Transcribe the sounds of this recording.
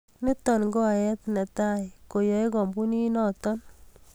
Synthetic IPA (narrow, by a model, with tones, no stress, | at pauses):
nɪ˦tɔ˨nŋɡo˦a˨jɛ˦tnɛ˨ta˦jko˨jɔ˨jkɔ˨mbu˦ni˦nɔ˦tɔ˦n